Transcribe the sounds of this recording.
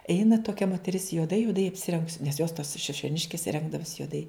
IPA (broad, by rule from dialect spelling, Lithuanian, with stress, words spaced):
ˈɛɪnɐ toːˈkʲɛ moːtʲɛˈrʲɪs juɔˈdɐɪ juɔˈdɐɪ ɐpʲsʲɪˈrʲɛŋɡʊs nʲɛs joːs toːs ʃʲɪʃʲoːˈnʲɪʃʲkʲɪs ˈrʲɛŋɡdɐʋʊs juɔˈdɐɪ